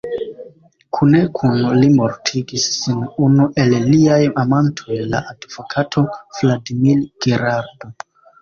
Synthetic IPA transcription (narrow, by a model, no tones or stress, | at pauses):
kʰune̞kʰunlimo̞ɾtʰiɡisːinunuʔe̞lːiajamantʰo̞jla̰ʔadvokʰatʰo̞v̥ladimilɡ̥eɾaɾdo̞